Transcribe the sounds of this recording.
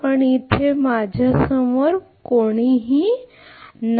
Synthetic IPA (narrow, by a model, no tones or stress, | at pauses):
əɳit̪ʰemad͡ʒʱasəməɾ | koːɽ̃iɦi | n